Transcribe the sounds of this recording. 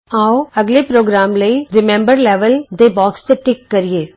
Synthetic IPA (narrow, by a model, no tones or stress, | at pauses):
aːoɐɡlepɾoːɡɾaːmləiɾɪmɛ̃mbəɾlɛːʋəld̪ebɔːkst̪eʈɪkːɐɾieː